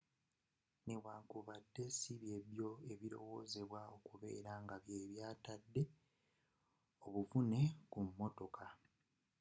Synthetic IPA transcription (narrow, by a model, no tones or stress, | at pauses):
neβwaːŋkuβadːe̞siβje̞βjo̞e̞βiɾo̞̰wo̞ːze̞βwao̞kuβe̞̰ːɾaŋɡaβje̞ːβjaːtadːe̞ | oβufune̞kumːo̞to̞kʰa